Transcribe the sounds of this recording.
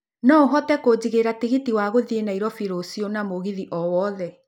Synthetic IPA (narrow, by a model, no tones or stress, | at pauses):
nɔoɦɔtɛkod͡ʑiɣeɾatiɣitiwaɣoðienaiɾɔfiɾosionamoɣiðiʔɔwɔðɛ